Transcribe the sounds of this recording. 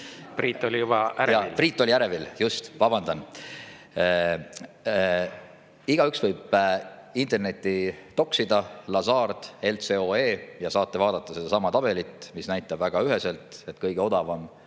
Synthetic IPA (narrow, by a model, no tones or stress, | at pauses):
priːt̪ːˑolijubɑʔæɾjɑilpriːt̪ːˑo̞liæɾe̞viljust̪vɑbɑnd̪ɑn | iɡ̥ɑyksvɤjb̥ | int̪ˑe̞rne̞t̪ʲːˑit̪o̞ksid̪̥ɑlɑsɑːrd̪̥e̞lt̪se̞oeːjɑsɑːt̪ːˑe̞vɑːd̪̥ɑt̪ˑːɑse̞d̪ɑsɑmɑt̪ɑb̥e̞lit̪ˑmisnæjt̪ːˑɑbvæɡ̥ɑyɦe̞se̞lt̪ˑe̞t̪kɤjɡ̥e̞o̞d̪̥ɑvɑm